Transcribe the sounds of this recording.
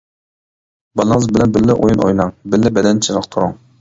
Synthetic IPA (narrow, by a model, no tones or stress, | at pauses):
bɑlˠɨŋəzbɪlɛnbɪlːɪʔojunʔo̰jnɑŋbɪlːɪbɛd̪ɛnt͡ʃʰiɾəqt̪ʰuɾʊŋ